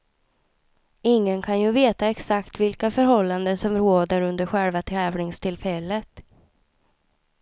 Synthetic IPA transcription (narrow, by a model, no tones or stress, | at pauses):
ɪŋːənkʰanjɵveːt̪aɛksakt̪vɪlkafœɾɦɔlːand̪əsɔmɾoːd̪əɾɵnd̪əɾɧɛɭvat̪ʰɾɛːvɳɪŋst̪ʰɪlfɛlːət̪